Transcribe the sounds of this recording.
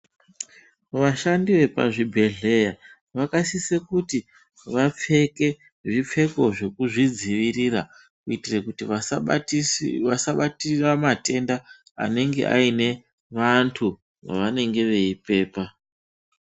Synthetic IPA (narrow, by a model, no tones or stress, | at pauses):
ʋaʃandiʋe̞pa̰ʐibʱe̞ɮe̞ja | ʋakasisekuti | ʋap͡fe̞ke̞ | ʐip͡fe̞ko̞ʐe̞kuʐid͡ziʋirira | kuitirekutiʋa | ʋasaɓatiramate̞nda | a̰ne̞ŋɡe̞̰ʔa̰ine̞ | ʋantʰu | ʋa̰ʋane̞ŋɡe̞ʋe̞ipe̞ːpa